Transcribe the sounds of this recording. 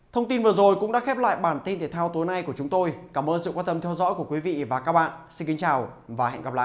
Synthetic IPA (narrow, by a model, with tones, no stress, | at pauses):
t̪ʰə˧wŋ͡mt̪i˧nvɨ˨˩əzo˨˩jkʊ̰˧˥ŋ͡mɗa̰ː˧˥xɛ˦˥p̚la̰ː˧˨jɓaː˧˩nt̪i˧nt̪ʰi˨˧˩t̪ʰːwt̪o˨˦jna˧jku˧˩ət͡ɕʊ˨˦ŋ͡mt̪o˧jkaː˧˩mʔəː˧nsɨ̰˧˨kwaː˧nt̪ə˧mt̪ʰɛ˧wzɔ̰˧˥ku˧˩əkwi˨˦vḭ˧˨vaː˨˩kaː˦˥k̚ɓa̰ː˧˨nsi˧nki˨˦ŋt͡ɕaː˨˩w | vaː˨˩hɛ̰˧˨nɣa˨˩p̚la̰ː˧˨ʔ